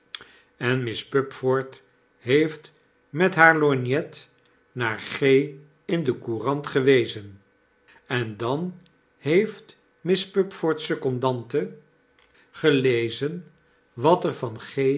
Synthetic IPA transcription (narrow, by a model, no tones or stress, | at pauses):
ɛnmɪspɵpfɔɹt | ɦejft | mɛtɦaːɹlɔnjɛt | naːɹχej | ɪndəkurɑntχəʋejzən | ɛndɑn | hejft | mɪspɵpfɔɹtsɵkɔndɑntə | χəlejzən | ʋɑtəɹvɑnχe